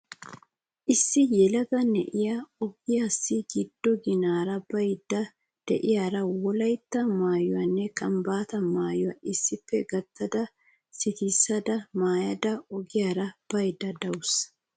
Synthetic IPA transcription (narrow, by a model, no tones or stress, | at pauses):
ʔɪsːɪjɛlɐɡɐnɛ̰ʔɪjaɔɡɪjasːɪɡɪd̪ːɔɡɪnaːɾɐbɐjd̪ːɐ | d̪̥ɛʔɪjaːɾɐwɔlɐjt̪ːɐmaːjɔwɐnːɛkʼɐmbaːt̪ɐmaːjɔwɐ̰ʔɪsːɪpːɛɡɐt̪ʰːɐd̪ɐ | sɪt̪isːɐd̪ɐmaːjɐd̪ɐɔɡɪjaːɾɐb̥ɐjd̪ːɐd̪ɐwʊs